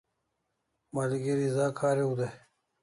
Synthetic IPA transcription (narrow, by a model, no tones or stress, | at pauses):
mɐliɡeɾizaːkʰaːɾeud̪e